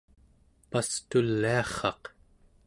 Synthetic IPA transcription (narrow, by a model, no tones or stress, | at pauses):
past̪ulːiɑχɑq